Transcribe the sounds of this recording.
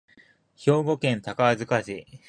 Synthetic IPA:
ço̞ːɡo̞kẽ̞nt̪akaazɨkaɕi

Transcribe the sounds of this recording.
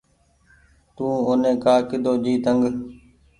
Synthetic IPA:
t̪ũːʊnẽːkaːkɪd̪oːd͡ʒiːt̪əŋɡ

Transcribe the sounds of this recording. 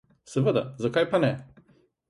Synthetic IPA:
sɛʋəd̪a̰zakajpanɛ

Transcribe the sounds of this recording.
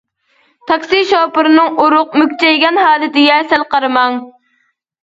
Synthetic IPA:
t̪ʰɑkʲsiʃɑːpɨɾɨnɨŋuɾʊqmykʲt͡ʃʰɛjɡʲɛnhɑːlɨt̪ɪjɛsɛlqɑɾɨmɑŋ

